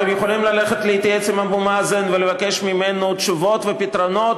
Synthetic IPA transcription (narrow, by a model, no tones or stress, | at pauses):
emjeχolimlaleχet̪leit̪ajet͡simabumazenvelevakeʃmimenut̪ʃuvo̞t̪vepit̪ɾonot̪